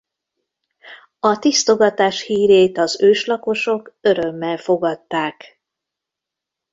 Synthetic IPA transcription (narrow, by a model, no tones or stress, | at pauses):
ɒt̪ist̪o̞ɡɒt̪aːʃhiːɾeːt̪ɒzøːʃlɒko̞ʃo̞kø̞ɾø̞mːɛlfo̞ɡɒt̪ːaːk